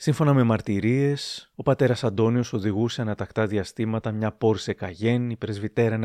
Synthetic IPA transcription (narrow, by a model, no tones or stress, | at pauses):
siɱfo̞nɐme̞mɐɾt̪iɾie̞so̞pɐt̪e̞ɾɐsɐnd̪o̞nio̞so̞ðiɣuse̞ɐnɐt̪ɐkt̪ɐðiɐst̪imɐt̪ɐmɲɐpo̞ɾse̞kɐʝe̞nipɾe̞zvit̪e̞ɾɐen